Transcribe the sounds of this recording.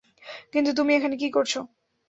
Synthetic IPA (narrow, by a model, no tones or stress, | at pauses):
kint̪̬ut̪umiekʰanek̬ikoɾt͡ɕʰo